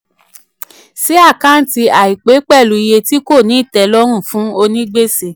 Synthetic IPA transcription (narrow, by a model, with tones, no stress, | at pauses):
si˦a˦˨kã˦n̩˦ti˧a˨i˨k͡pe˨˦k͡pɛ˦˨lu˨˦i˧je˧ti˦ko˦˨nĩ˨˦i˦˨tɛ˧lɔ˦ɾ̃ũ˦˨fũ˨˦o˧nĩ˦ɡ͡be˦si˦˨